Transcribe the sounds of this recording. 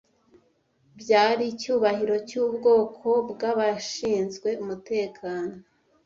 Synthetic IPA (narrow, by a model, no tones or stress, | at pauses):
bɟaːɾicuːβahiɾo̞cuːbɡo̞ːkʰo̞bɡaβaʃiːnzɡwe̞umute̞ːkʰaːno